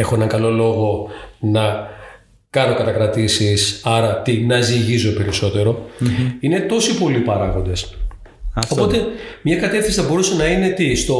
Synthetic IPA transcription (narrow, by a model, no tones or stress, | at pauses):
exo̞enɐŋɡɐlo̞lo̞ɣo̞nɐ | kɐno̞kɐt̪ɐkɾɐt̪isisɐɾɐt̪inɐziʝizo̞pe̞ɾiso̞t̪e̞ɾo̞ine̞t̪o̞sipo̞lipɐɾɐɣo̞nd̪e̞s | ɐo̞po̞t̪e̞mɲɐkɐt̪efθinsi̥θɐbo̞ɾusenɐine̞t̪ist̪o̞